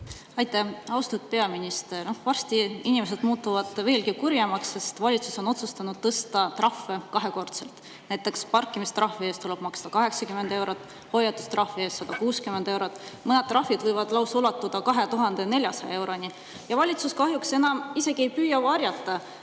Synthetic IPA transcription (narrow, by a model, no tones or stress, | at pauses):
ɑjt̪ːˑæɑwst̪ud̪̥̚pe̞ɑminist̪ernohvɑrst̪iinimes̬e̞d̪̥muːt̪ːˑuvɑd̪̥ve̞ːlkikurjɑmɑksːe̞st̪vɑlʲit̪suso̞no̞t̪sust̪ɑnud̥̪̚t̪ɤst̪ɑt̪rɑfːekɑɦe̞ko̞rt̪se̞lt̪ | næjt̪ːˑe̞kspɑrkːˑimist̪ɾʔɑhːie̞ːst̪ule̞b̥mɑkst̪ɑkɑɦe̞ksɑkymene̞wɾot̪ːˑ | ho̞jːɑt̪ːˑu̥st̪rɑhvie̞ːstːɑd̪̥ɑkuːskymene̞wɾot̪ːˑmɤned̪̚t̪ːˑrɑfːid̪vɤjvɑd̪̥lɑwsulɑt̪ːˑud̪̥ɑkɑɦe̞t̪uɦɑnd̪ene̞lʲjɑsɑ̰j̰e̞wɾo̞ni | jɑvɑlʲit̪suskɑhjuksenɑmise̞ɡ̥ie̞jpyːjɑvɑɾʲjɑt̪ːˑɑ